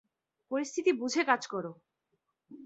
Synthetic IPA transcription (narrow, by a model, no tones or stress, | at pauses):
poɾist̪ʰit̪ibud͡ʑʱekad͡ʑkɔɾo